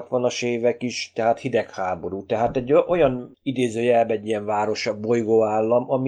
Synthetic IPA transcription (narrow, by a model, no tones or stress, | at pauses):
t̪ʋɒnɒʃeːvɛkiʃt̪ɛɦaːt̪hid̪ɛkhaːbo̞ɾuːt̪ɛɦaːt̪ɛɟːʔo̞jɒnid̪eːzøːjɛlbɛɟːijɛɱvaːɾo̞ʃɒbo̞jɡoːaːlːɒmɒmi